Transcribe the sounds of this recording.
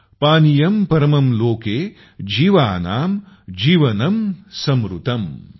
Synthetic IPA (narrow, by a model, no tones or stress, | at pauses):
paːnijɐmpɐɾɐmɐmloːkeː | d͡ʒiːʋaːnaːm | d͡ʒiːʋɐnɐmsɐmɾṵt̪ɐm